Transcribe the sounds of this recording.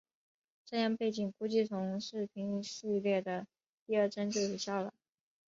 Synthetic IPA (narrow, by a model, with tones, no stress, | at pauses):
ʈ͡ʂɤ˥˧jɑ˥˧ŋpe˥˩ɪt͡ɕi˨˩ŋku˥t͡ɕi˥˩t͡sʰʊ˧˥ŋʂɻ̩˥˩pʰi˧˥ŋʂi˥˧˥ljɛ˥˩d̪ə˩ | t̪i˥˧ə˞˥˩ʈ͡ʂə˥nt͡ɕjo˥˩jo˨˩ɕja˥˩lə̰˩